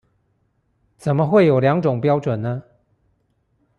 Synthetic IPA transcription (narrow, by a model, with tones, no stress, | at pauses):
t͡sə˨˩nmə˦xwe˥˨ɪjo˨˩ʊljɑ˨˧˦ŋʈ͡ʂʊ˨˩ŋpjɑ˥ʊʈ͡ʂwə˨˩nnə˦